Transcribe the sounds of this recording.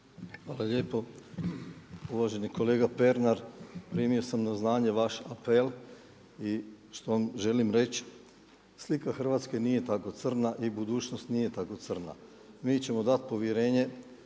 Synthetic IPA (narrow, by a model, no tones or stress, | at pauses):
xʋaːlaʎeːpo̞ | uʋaʒe̞niko̞le̞ːɡape̞ɾnaɾpɾiːmio̞samnaznaːɲe̞ʋaʃapel | i | ʃt̪o̞ʋamʒe̞limɾe̞t͡ʃ | slikaxr̩ʋaːt̪ske̞nije̞t̪ako̞t̪ər̩naʔibud̪uːt͡ʃnost̪nije̞t̪ako̞t̪sər̩na̰ | miːt͡ɕe̞mo̞d̪at̪̚po̞ʋjeɾe̞ːɲe̞